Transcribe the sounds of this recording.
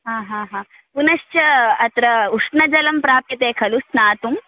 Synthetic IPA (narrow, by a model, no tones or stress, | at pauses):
ɦaːɦaːɦãː | punɐʃt͡ʃɐɐt̪ɾɐuʂnɐd͡ʒɐlɐmpɾaːpjɐt̪eːkʰɐlusnaːt̪um